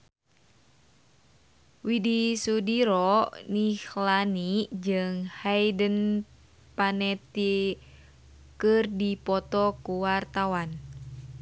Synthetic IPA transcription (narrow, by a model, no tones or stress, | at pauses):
widisudiɾɔnihlanid͡ʒɨŋhajdən | panɛt̪i | kɨrdipɔt̪ɔkuwart̪awan